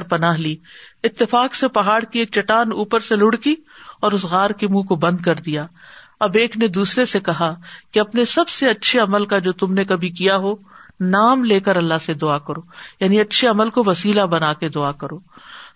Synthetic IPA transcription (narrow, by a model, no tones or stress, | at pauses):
ɾpɐnaːɦliːɪt̪ːɪfaːksepɐɦaːɽkieːk̚t͡ʃɐʈaːnuːpəɾselʊɽkiɔːɾʊsɣaːɾkemũːkobɐ̃nd̪kɐɾd̪ijaːɐbeːkned̪uːsɾesekɐɦakeɐpnesɐbseɐtːʃʰeɐməlkad͡ʒoːt̪ʊmnekɐbʱikijaɦonaːmleːkəɾɐlːaɦsed̪ʊaːkɐɾoːjaːniɐtːʃʰeɐməlkoʋɐsiːlabɐnaːked̪ʊaːkɐɾoː